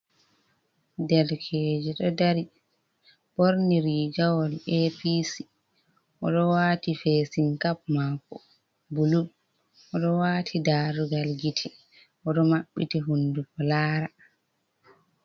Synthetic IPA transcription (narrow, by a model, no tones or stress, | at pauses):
dɛlkʰeːd͡ʒɛɗɔdaɾi | b̥oɾniɾid͡ʒawɔlepisi | ʔɔɗɔwaːtifesiŋkap̚maːkɔ̰ | buluɗ | ʔɔɗɔwaːtʰidaːɾuɡalɡitʰɛ | ʔɔɗɔmaɓːḭtiɦundukɔlaːɾa